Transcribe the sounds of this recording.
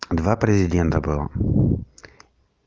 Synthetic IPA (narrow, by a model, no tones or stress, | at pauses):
d̪vapɾʲɛzʲɪdʲɛnt̪ɐbɨlˠɐ̰